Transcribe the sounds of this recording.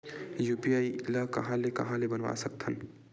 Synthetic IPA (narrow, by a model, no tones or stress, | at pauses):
jupiailakɐ̰ɦãlekɐ̰ɦãlebənʋa̰səkt̪ʰən